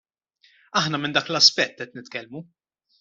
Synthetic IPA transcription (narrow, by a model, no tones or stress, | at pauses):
ɐħnɐmɪnd̪ɐːklɐspɛt̪ːɛt̪nɪt̪kɛlmu